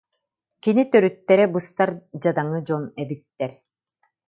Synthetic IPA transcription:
kinit̪œɾyt̪ːɛɾɛbɯst̪aɾd͡ʑad̪aŋɯd͡ʑɔnɛbit̪ːɛɾ

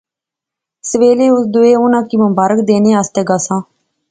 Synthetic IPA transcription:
səʋeːleːʊsd̪ʊeːʊnãːkiːməmbaːɾəkd̪eːneːaːst̪eːɡaːsãː

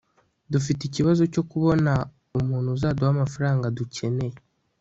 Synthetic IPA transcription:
dufiticiβazo̞co̞kuβo̞na | umuːnhuzaduhamafaɾaːŋɡaducʰe̞ne̞

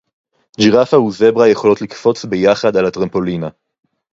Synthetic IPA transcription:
d͡ʒiʁafauze̞bʁaje̞χo̞lo̞tlikfo̞t͡sbejaχad̪alat̪ʁampo̞lina

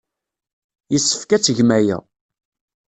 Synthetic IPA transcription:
jəsːə̥fkæt͡sːəʝmæjæ̰

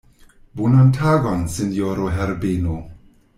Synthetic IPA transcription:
bunantʰaɡɔnsinjoɾoɦɛɾbeno

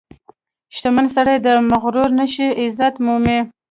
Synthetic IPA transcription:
ʃt̪amansaɽajd̪əmaɣɾuɾnəʃiɪzat̪mume

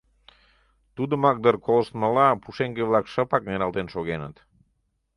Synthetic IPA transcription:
t̪ud̪əmɑk̚d̪ərkoləʃt̪məlɑpuʃeŋɡeβlɑkʃəpɑk̚neɾɑlt̪enʃoɣenə̰t̪

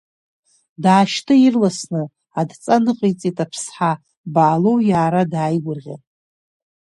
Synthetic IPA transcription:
daːʃtʰɨirlasnɨ | adt͡sʼanɨqʼejt͡sʼitʼapʰsħa | baːlowjaːɾadaːjɡʷʊrʁʲa̰

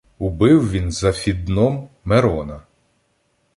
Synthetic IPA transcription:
ʊbɪwʋʲinzɐfʲid̪nɔmː | eɾɔnɐ

